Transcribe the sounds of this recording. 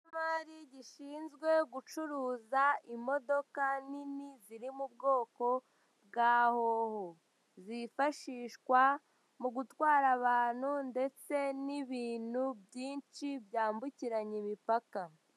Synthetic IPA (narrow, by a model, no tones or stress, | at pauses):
maɾiɟiʃiːnzɡwe̞ɡut͡ʃuɾuːzaimo̞do̞kaniniziɾimub̚ɡo̞ːko̞ | bɡaːhoho | zifaʃiːʃkwa | muɡutwaːɾaβaːn̥hunde̞t͡se̞niβiːnhubjiːnt͡ʃibjaːmbuciɾaɲimipaka